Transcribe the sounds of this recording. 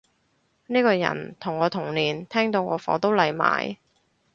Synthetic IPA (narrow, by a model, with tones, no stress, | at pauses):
niː˥kɔː˧jɐ̰˨˩nt̪ʰʊ˨˩ŋːɔː˨˧t̪ʰʊ˨˩ŋliː˨˩nt̪ʰɛː˥ŋt̪o˧wŋɔː˨˧fɔ̰ː˨˧˥t̪o˥wlɐ˨jma̰ː˨˥j